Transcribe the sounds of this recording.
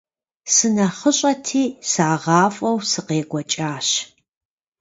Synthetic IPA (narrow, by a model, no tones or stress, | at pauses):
sɨnɐχəɕʼɐtʰiːsaːʁɑːfʼɔwsɨqeːɡʷɔt͡ʃʼaːɕ